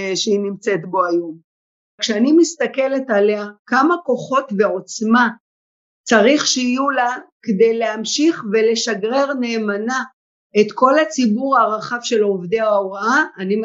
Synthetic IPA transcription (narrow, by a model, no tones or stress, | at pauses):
ʃeinimt͡se̞tbo̞ajo̞m | kʃeanimist̪ake̞le̞tale̞akamako̞χo̞tveo̞t͡sma | t͡saʁiχʃeijulakede̞jleamʃiχve̞le̞ʃaɡʁe̞ʁneːmana | etko̞lat͡sibuʁaʁaχavʃe̞lovdeaoʁaaani